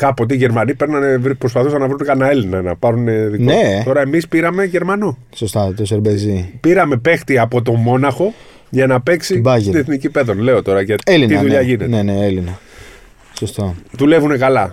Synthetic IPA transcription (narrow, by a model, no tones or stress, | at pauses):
kɐpo̞t̪iʝe̞ɾmɐnipe̞ɾnɐne̞vɾipɾo̞spɐθusɐnɐvɾunekɐnɐe̞linɐnɐ̰pɐɾuneðinoet̪o̞ɾɐemispiɾɐme̞ʝe̞ɾmɐno | sost̪ɐt̪oseɾbezipiɾɐme̞pe̞xt̪iɐpo̞t̪̬o̞mo̞nɐxo̞ | ʝɐnɐpe̞ksibɐtineθnicipe̞ðonle̞o̞t̪o̞ɾɐʝɐeliniðuʎɐʝinet̪neneelinɐ | sost̪oðule̞vune̞kɐlɐ